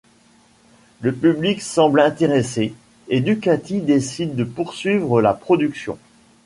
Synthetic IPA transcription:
ləpybliksɑ̃blɛ̃t̪eʁese | ed̪ykat̪id̪esid̪ːəpuʁsɥivʁəlapχɔd̪yksjɔ̰̃

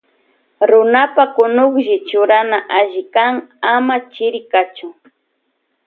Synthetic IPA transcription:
ɾʊnapakʊnʊχʒɪt͡ʃʊɾanaʔaʒɪkaŋamat͡ʃɪɾɪkat͡ʃʊ

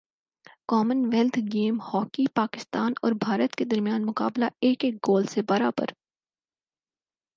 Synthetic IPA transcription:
kɔːmənʋɛːlt̪ʰɡeːmhɔːkipaːkɪst̪aːnɔ̰ːɾbʱaːɾət̪ked̪ɐɾmijaːnmʊka̰ːblaeːkeːk̚ɡoːlsebɐɾaːbə̰ɾ

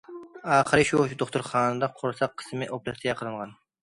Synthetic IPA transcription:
ɑːχəɾɨʃud̪oχt̪ʊɾχɑːnɨd̪ɑqʰoɾsɑqʰːə̥smɪʔopɾɛt̪t̪ʰɡʲɛqʰəlˠɨɴʁɑn

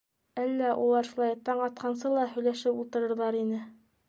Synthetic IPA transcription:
ælːæʔṵlˠɑɾʃulˠɑjt̪ɑɴɑt̪̚qɑnsɤlˠɑhɵ̆jlæʃɘpṵlˠt̪ɤ̆ɾɤ̆ɾðɑɾinɘ

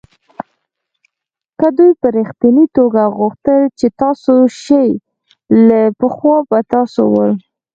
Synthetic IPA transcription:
kəd̪ujpəɾixt̪init̪oɡaɣʊxt̪əlt͡ʃet̪ɑsoʃəj | lapəxwɑbat̪ɑsowəl

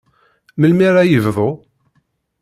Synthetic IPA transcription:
məlmiɾajəvðˤo

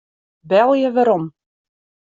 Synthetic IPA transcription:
bɛlˠjəʋaɾɔm

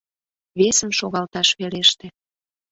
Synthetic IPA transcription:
βesəmʃoɣɑlt̪ɑʃpeleʃt̪ĕ

